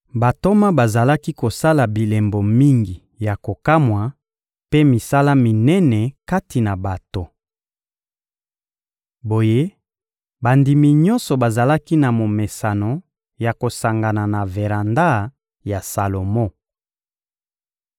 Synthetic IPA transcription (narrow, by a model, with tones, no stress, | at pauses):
ba˨to˦ma˦ba˨za˨la˦ki˦ko˨sa˦la˨bi˨lɛ˨mbo˨mi˦ŋɡi˨ | ja˨ko˨ka˦mwa˨ | pe˦mi˨sa˦la˦mi˨nɛ˦nɛ˨ka˦ti˨na˨ba˨to˨ | bo˨je˦ | ba˨ndi˨mi˨ɲɔ˦nsɔ˨ba˨za˨la˦ki˦na˨mo˨me˨sa˨no˨ | ja˨ko˨sa˨ŋɡa˨na˨na˨ve˨ʁa˨nda˦ | ja˨sa˨lo˨mɔ˦